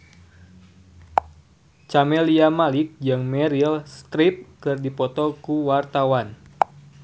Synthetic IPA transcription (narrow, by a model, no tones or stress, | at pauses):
t͡ʃamɛliamalɪk̚d͡ʒɨŋmɛɾilst̪ɾip̚kɨrdipɔt̪ɔkuwart̪awan